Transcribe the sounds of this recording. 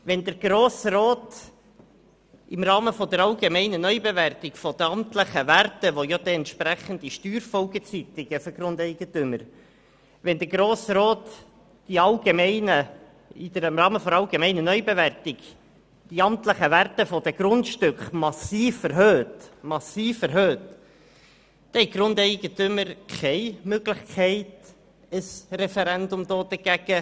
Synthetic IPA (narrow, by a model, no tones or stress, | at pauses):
ʋɛnd̪əɾɡ̥ɾoːsroːt̪ | ʔɪmɾɑːməfɔd̪əɾɑlɡemɛɪnənœʏbeværtɪɡfɔd̪əɑmt̪ləχəværtəʋojɑd̥̪ɛɛnt̪ʃpɾæχənd̪iʃtyːɾfɔlɡət͡syt̪ɪɡ̥əfɔɡ̥ɾʊnd̪ɛɪɡ̥əntʏməɾ | ʋɛnd̪əɾɡɾoːsɾoːt̪ | d̥iɑlɡemɛɪnə | id̪əəmrɑːməfɔɾɑlɡemɛɪnənœʏbeværtɪɡ | d̥iɑmt̪ləχəværtəfɔd̥̪ɛɡ̥ɾʊntʃtʏkχmɑsiːfəɾɦøːtmɑsiːfɛɾɦøːt | d̥ɛhɛɪɡ̥ɾʊndɛɪɡ̥ətʏməɾkʰɛɪmøɡ̥lɪχkʰɛɪt | əsrɛfɛɾænd̪ʊmd̥̪oːd̥̪əɡ̥æɡ̥ə